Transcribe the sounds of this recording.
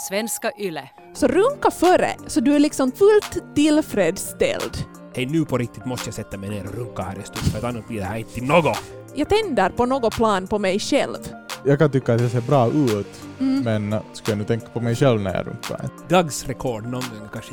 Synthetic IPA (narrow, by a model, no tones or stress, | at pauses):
svɛnskaʔʏlːə | sɔɾʉŋkafœɾə̰sɔd̪ɵæɭɪksɔmfʉlt̪ʰːɪlfɾeːd̪st̪ɛ̰ld̪ | hɛjnʉːpʰɔɾɪk̚t̪ɪt̪mɔst̪əjasɛt̪ːamɛjneːɾɔɾɵŋkːahæːɾɛst̪uːt̪fɾɑt̪ɑnːat̪̚bliːd̪ɛhæɾɪnt̪ət̪ʰɪlnoːɡɔ | jɑːɡt̪ʰɛnd̪əɾpɔnoːɡɔpʰlɑːnpɔmɛjʃɛ̰lvjɑːkant̪ʏkːaːt̪̚d̪ɛseːɾbɾɑːʔʉːt̪ | mɛnskɑjanʉːt̪ʰɛŋkːḁpɔmɛjɕɛlʋnæ̰ɾjɑ̰ɾɵ̰ŋkːa̰ɾɡ̪ɑɡsɾɛkʰɔɖnɔkʰanʂə